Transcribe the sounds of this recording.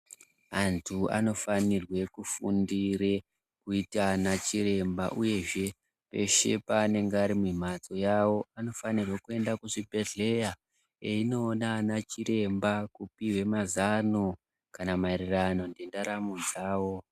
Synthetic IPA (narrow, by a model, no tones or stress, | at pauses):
antʰua̰no̞fanirwe̞kufundire | kuitanat͡ʃiɾe̞mba̰ʔuje̞ʐe̞ | pe̞ʃe̞̰paːne̞ŋɡeaɾimim̤at͡so̞jawo̞ano̞fanirwekue̞ndakuʐibʱe̞ɮe̞ja | eino̞ːnanat͡ʃiɾe̞mbakupiwe̞mazano | kanamaerirano̞ndendaɾamud͡zaːwo̞